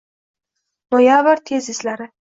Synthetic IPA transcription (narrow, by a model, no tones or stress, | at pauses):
bɒjavaɾt̪ʰezɪslaɾɪ